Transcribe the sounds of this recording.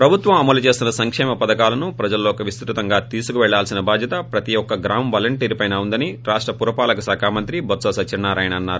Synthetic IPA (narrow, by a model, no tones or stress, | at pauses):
pɾɐbʱut̪ʋɐmɐmɐlut͡ʃe̞ːst̪unɐsɐŋkʂɛːmɐpɐd̪ɐkaːlɐnupɾɐd͡ʒɐlːoːkɐʋist̪ɾut̪ɐŋɡaːt̪iːsukuʋɛɭːaːlsinɐbaːd̪ʱjɐt̪ɐpɾɐt̪iɔkːɐɡɾaːmʋaːlɐɳʈiːɾpɐjnaːund̪ɐniɾaːʂʈɾɐpuɾɐpaːlɐkɐsɛːkʰaːmɐnt̪ɾibʱɐt̪sɐsɐt͡ʃiɳːaːɾaːjɐɳɐnːaːɾu